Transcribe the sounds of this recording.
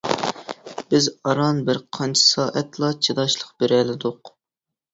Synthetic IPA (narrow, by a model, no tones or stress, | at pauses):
bɪzɑɾɑnbɪɾqʰɑnt͡ʃʰɪ̥sɑːʔɛt̪lˠɑt͡ʃʰid̪ɑʃlˠəqb̥eɾɛlɪd̪ʊq